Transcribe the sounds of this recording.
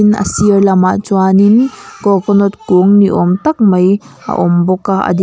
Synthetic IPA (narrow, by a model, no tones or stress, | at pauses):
inɐ̰siəɾlɐmat͡suaninkɔkɔnɔt̪̚kuŋniʔɔmt̪ɐk̚mɐj | ʔɐ̰ʔɔmbɔkaʔɐ̰d̪i